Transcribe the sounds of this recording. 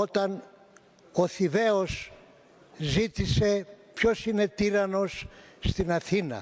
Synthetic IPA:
ot̪ɐn | oθive̞o̞s | zit̪ise̞pço̞sine̞t̪iɾɐno̞sːt̪inɐθinɐ̰

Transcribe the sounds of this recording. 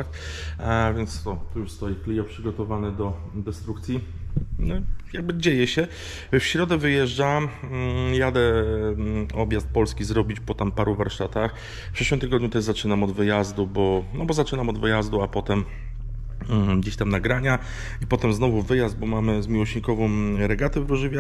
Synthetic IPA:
ax | vʲjɛnt̪st̪ɔt̪ɔjuʂst̪ɔjɛklʲijɔpʂɘɡɔt̪ɔvanɛd̪ɔ | d̪ɛst̪ɾukt̪sʲjinɔjaɡ̚bɘd͡ʑejɛɕɛ | fɕɾɔd̪ɛvɘjɛʐd͡ʐamjad̪ɛ | ɔbʲjast̪̚pɔlskʲizɾɔbʲit͡ɕpɔt̪ampaɾuvaɾʂt̪at̪ax | fpʂɛɕwɘmt̪ɘɡɔd̪̚ɲut̪ɛʐzat͡ʂɘnamɔd̪vɘjazd̪ubɔnɔbɔzat͡ʂɘnamɔd̪vɘjazd̪uapɔt̪ɛm | ɡd͡ʑeɕt̪amnaɡɾaɲa | ipɔt̪ɛmznɔvuvɘjazd̪̚bɔmamɘzmʲiwɔɕɲikɔvɔ̃w̃ɾɛɡat̪ɛvɾuʐɘvʲja

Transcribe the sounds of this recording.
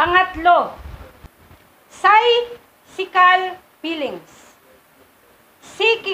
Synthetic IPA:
ɐŋat̪lo | saj | sikal | pilɪŋs | siki

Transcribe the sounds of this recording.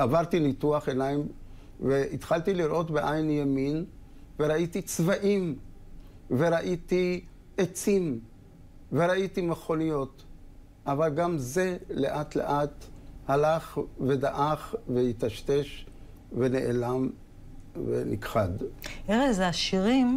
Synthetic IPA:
avaʁt̪inituaχenajim | veit̪χaltiliɾʔo̞tbeʔajnjemin | ve̞ʁaitit͡svaʔim | ve̞ʁaʔiti | et͡sim | veɾaitimeχo̞nijo̞t | ʔavalɡamzele̞ʔatlḛʔat̪halaχve̞daʔaχvejit̪aʃte̞ʃ | ve̞neʔelam | vḛnḭkχad̪eʁezaʃiʁim

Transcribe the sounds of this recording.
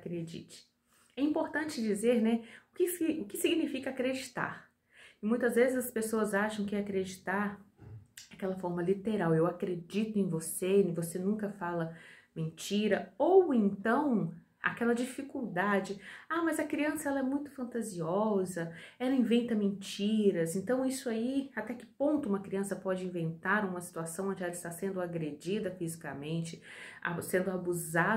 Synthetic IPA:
akɾed͡ʒḭt͡ʃɪ̥ | ɛĩpoɾt̪ɐ̃nt͡ʃɪd͡ʒizeɾnɛʊkɪsiʊkɪsiɡinifikɐakɾed͡ʒit̪a̰ɾ | ɪmũj̃t̪ɐzvezɪzɐspesoɐzaʃɐ̃w̃kɪakɾed͡ʒit̪aɾ | akɛlɐfɔɾmɐlit̪eɾawewakɾed͡ʒit̪ʊẽj̃vosẽvosenũkɐfalɐmẽnt͡ʃiɾɐowẽnt̪ɐ̃w̃ | a̰kɛlɐd͡ʒifikuwd̪ad͡ʒɪamɐzɐkɾiɐ̃sɐɛlɐɛmũj̃t̪ʊ̥fɐ̃nt̪aziɔzɐɛlɐĩvẽnt̪ɐmẽnt͡ʃiɾɐzẽnt̪ɐ̃w̃isʊaiat̪ɛkɪ̥põnt̪ʊũmɐkɾiɐ̃sɐpɔd͡ʒɪĩvẽnt̪aɾũmɐsi̥t̪uasɐ̃w̃õnd͡ʒɪɛlɐɪst̪asẽnd̪ʊaɡɾed͡ʒid̪ɐfizikamẽnt͡ʃɪa̰sẽnd̪ʊabuza

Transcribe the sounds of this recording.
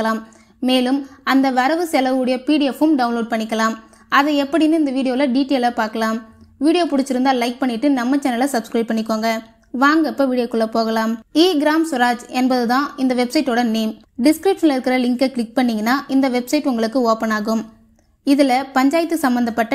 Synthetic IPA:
ɐlaːmː | eːlɯmɐnd̪ɐʋɐɾɐʋɯsɛlɐʋɯɽɐjɐpiːɽɪjɛfɯmɖɐʋʊnloːɖ̚pɐɳːɪkːɐlaːm | ɐðɐɛpːɐɽɪnːɯɪnd̪ɐʋiːɽɪjoːlɐɖiːʈeːlɐpaːɾkɐlaːmʋiːɽɪjoːpʊɽɯt͡ʃːɪɾɯnd̪aːlɐɪk̚pɐɳːɪʈːɯnɐmːɐt͡ʃɛnːɐlɐsɐbskɾɐɪpɐɳːɪkːoːŋɡɐ | ʋaːŋɡɐɛpːɐʋiːɽɪjoːkːɔɭːɐpoːɣɐlaːmiːɡɪɾaːmsʊɾaːd͡ʒɛnbɐðɯt̪ãːɪnd̪ɐʋɛbsɐɪʈːoːɽɐneːm | ɖɪskɾɪpʂɐnlɪɾɯkːɯɾɐlɪŋkɐkɭɪk̚pɐɳːiːŋɡɐnːaːʔɪnd̪ɐʋɛbsɐɪʈʊŋɡɐɭɯkːɯoːpɐnaːɣɯm | ɪðɯlɐpɐɲd͡ʒaːjɪt̪ːɯsɐmbɐnd̪ɐpːɐʈːɐ

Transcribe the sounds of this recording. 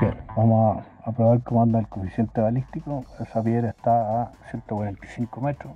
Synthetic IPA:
bjenbamoha | apɾoβaɾkemand̪alkofisjent̪eβalit̪ikoesapjeɾaeht̪aːsjent̪okwaɾent̪i̥siŋkomet̪ɾo

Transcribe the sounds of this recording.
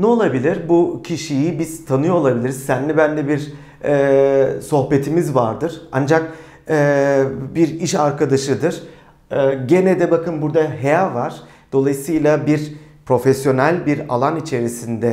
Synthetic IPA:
nɛo̞lˠabilʲiɾbucʰiʃijibiz̥t̪ʰanɯjoolˠabilʲiɾiz̥sænlʲibænd̪ɛbiɾ | ɛːso̞hpe̞t̪ʰimizvaɾd̪ɯɾ̥and͡ʒak̚ | ɛbiɾiʃaɾkʰad̪aʃɯd̪ɯɾ̥ | ɛːɟe̞nɛd̪ɛbakʰɯnbuɾd̪aɦejavaɾ̥ | d̪̥o̞lˠajɯsɯjlˠabiɾpɾo̞fesjo̞nælʲbiɾa̰lˠanit͡ʃʰe̞ɾisind̪ɛ

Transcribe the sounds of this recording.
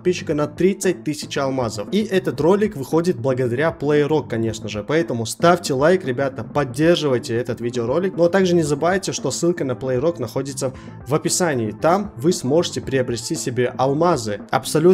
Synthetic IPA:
ɐt̪pʲiɕːɪkənɐt̪ɾʲit̪sɨt̚ʲt̪ɨsʲɪt͡ɕɐlˠmazəfiʔɛt̪ət̪ro̞lʲːɪkvɨxo̞dʲɪt̪̚blˠəɡəd̪ɐɾʲaplˠəɪɾo̞kːɐnʲe̞ʂnəʐɨpɐɛt̪əmʊst̪afʲtʲɪlˠajkɾʲɪbʲat̪əpɐdʲːe̞rʐɨvəjtʲɪɛt̪ət̪vʲidʲɪoɾo̞lʲːɪknot̪aɡʐɨnʲɪzəbɨvajtʲɪʂt̪o̞sːɨlˠkənəplˠəɪɾo̞knɐxo̞dʲɪt̪sə | vəpʲɪsanʲɪːt̪amvɨsmo̞ʐɨtʲɪpɾʲɪɐbɾʲɪsʲtʲisʲɪbʲe̞ʔɐlˠmazɨɐ̰psɐlʲu

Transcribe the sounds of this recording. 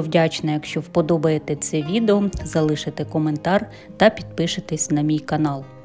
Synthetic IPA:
wdʲat͡ʃnɐjɐkʃt͡ʃɔwpɔd̪ɔbɐjet̪ɛt̪sɛʋʲid̪eɔzɐlˠɪʃɪt̪ɛkɔment̪ɑr | t̪ɐpʲid̪̚pɪʃɪt̪ɪsʲnɐmʲijkɐnɑlˠ

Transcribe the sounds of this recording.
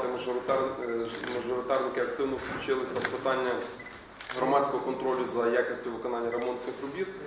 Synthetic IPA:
t̪ɪmɐɾ | mɐʒʊɾɪt̪ɑrnʲɪkʲɪɐk̚t̪ɪwnofklʲʊt͡ʃɪlˠɪsʲɐpsɐt̪anʲːɐ | ɣɾɐmat̪sʲkoɦɔkɔnt̪ɾolʲʊzɐjakʲɪsʲt̪ʲʊʋɪkonanʲːjɐɾɛmont̪nɪxɾʊbʲit̪

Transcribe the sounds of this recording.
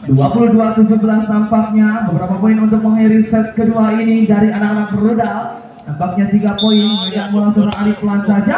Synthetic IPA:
duapuluhduat̪ud͡ʒubəlast̪ampak̚ɲabəbəɾapapoinunt̪ʊk̚məŋiɾisɛt̪̚kəduainidaɾianakanak̚bəɾudal | t̪ampak̚ɲat̪iɡapoɪnməid͡ʒanmulaŋsuɾaalɪklansad͡ʒa

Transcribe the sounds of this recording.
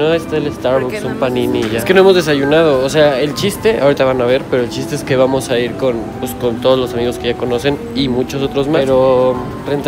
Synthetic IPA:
oest̪aelest̪aɾwoksumpanĩniʝeske̞noemozðe̞saʝunað̞o̞ːse̞ae̞lt͡ʃist̪e̞ʔa̰woɾit̪aβanaβ̞e̞ɾpe̞ɾo̞elt͡ʃist̪eeske̞βamo̞saiɾko̞npesko̞nt̪oðo̞zlo̞samiɣo̞ske̞ʝako̞no̞se̞n | imut͡ʃo̞so̞t̪ɾo̞zmaɾo | rent̪

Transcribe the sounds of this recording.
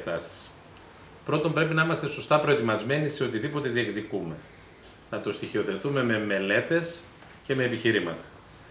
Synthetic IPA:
t̪ɐ̰si̥s | pɾo̞t̪o̞mbɾe̞pinɐimɐst̪e̞so̞st̪ɐpɾo̞e̞t̪imɐzme̞nise̞o̞t̪iðipo̞t̪e̞ðiekðikume̞ | nɐt̪o̞st̪içio̞θet̪ume̞meme̞le̞t̪e̞s | ce̞me̞ːpiçiɾimɐt̪ɐ̥

